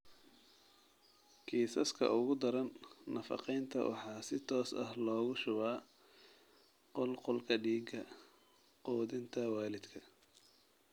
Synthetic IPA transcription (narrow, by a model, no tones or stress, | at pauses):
kʰiːsɐskʰɐ̰ʔʊɣʊd̪ɐɾɐnːɐfɑ̰qɛjnt̪ʰɐ̰wʔɑ̰ħɑːsɪt̪ʰɔːsɐ̰hlɔːɣʊʃʊβaː | qɔlqʊlkʰɐɖiːɡɐ | qɔːðɪnt̪ʰɐwaːlɪd̪kʰɐ